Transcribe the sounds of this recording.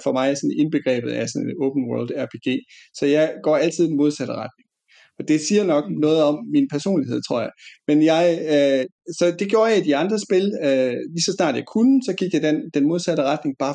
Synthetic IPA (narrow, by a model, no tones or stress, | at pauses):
fɒ̽mɑ̈ɪsɒ̽ne̝nb̥e̝ɡ̥ʁɛ̰ːb̥ð̞̩ˠæsɒ̽neɔʊb̥ən̩wɜɐld̥æɐpʰe̝ːɡ̥e̝̰ːsɒ̽jɑ̈ɪɡ̥ɒ̰ːæl̰t͡sʰiðˠd̥nmo̝ð̞ˠsæɾ̥əʁɑd̥ne̝ŋ | ɒ̽d̥e̝siːɐnɒ̽ɡ̥nɔ̽ːð̩ˠɒ̽mːinpʰæɐso̝̰ːnlihe̝ð̞̰ˠt͡sʰʁo̝ɐ̰jɑ̈ɪmenjɑ̈ɪ | sɒ̽d̥e̝ɡ̥jo̝ːɐjɑ̈id̥iɑ̈nd̥ʁɐsb̥e̝lølisɒ̽snɑ̰̈ːd̥jɑ̈ɪkʰunəsɒ̽ɡ̥iɡ̥jɑɪd̥end̥enmo̝ð̞ˠsæɾ̥əʁɑd̥ne̝ŋb̥ɑ̈ː